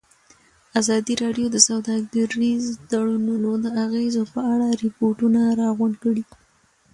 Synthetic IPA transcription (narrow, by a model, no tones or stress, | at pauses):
azɑd̪iɾɑɖjod̪əsawd̪ɑɡaɾizd̪aɽununod̪əaɣezopəaɽaɾɪpoɾʈunaɾɑɣʊɳɖkəɽi